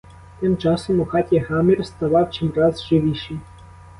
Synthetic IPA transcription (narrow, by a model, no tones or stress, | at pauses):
t̪ɪmt͡ʃɑsɔmɔxɑtʲjɐɦɑmirst̪ɐʋɑwt͡ʃɪmrɑzʒɪʋʲiʃij